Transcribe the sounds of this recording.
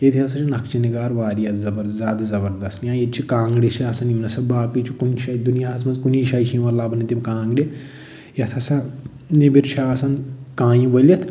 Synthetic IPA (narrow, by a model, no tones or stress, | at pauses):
jet̪ʰiɐsɐt͡ʃʰinɐkt͡ʃʰiniɡaːɾʋaːɾijɐt̪zɐbɐɾzaːd̪zɐbɐɾd̪ɐst̪jãːjɐt͡ʃʰikãːŋɡɽit͡ʃʰiɐsɐnimnɐsɐbaːkit͡ʃʰikunʃɐd̪unijaːɦɐsmɐnzkuniːʃɐjt͡ʃʰiʋɐlːaːbɐnit̪imkãːŋɡɽi | jɐt̪ʰɐsɐ | nibiɾt͡ʃʰaːsɐnkãːjĩbɐljɐt̪ʰ